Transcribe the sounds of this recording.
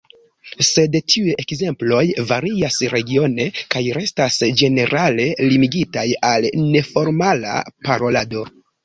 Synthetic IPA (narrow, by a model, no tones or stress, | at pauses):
se̞dtʰiuje̞kze̞mplo̞jvaɾiasɾe̞ɡio̞ne̞kajɾe̞stasd͡ʒe̞ne̞ɾale̞limiɡitajalne̞fo̞ɾmala̰paɾo̞lado̞